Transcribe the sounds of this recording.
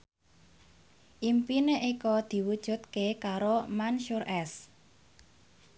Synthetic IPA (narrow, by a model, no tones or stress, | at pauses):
ʔimpineʔikɔd̪̥i̤wud̥ʒ̥ṳt̪̚kekaɾomanʃuɾɛs